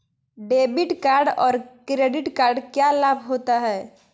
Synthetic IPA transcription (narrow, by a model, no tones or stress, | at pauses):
ɖeːbɪʈkaːɾɖɔːɾkɾeːɖɪʈkaːɾɖkjalaːbʱɦoːt̪aɦɛː